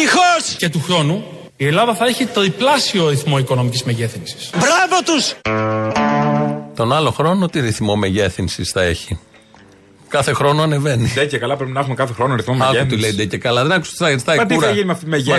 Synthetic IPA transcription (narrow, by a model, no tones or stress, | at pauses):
ixosce̞t̪uxɾo̞nu | ie̞lɐðɐθɐeçit̪ɾiplɐsioɾiθmo̞ikono̞micizmeʝe̞θinsi̥sbɾɐvɐt̪us | t̪o̞nɐlo̞xɾo̞not̪iɾiθmo̞meʝe̞θinsisθɐe̞çi | kɐθe̞xɾo̞noɐne̞ve̞niðecekɐlɐpɾepinɐexumekɐθexɾonoɾiθmomɐt̪ilejd̪ecekɐlɐðenɐkust̪iθɐɣɾist̪ɐiɐkt̪uɾɐɐʝinimɐft̪iimeʝe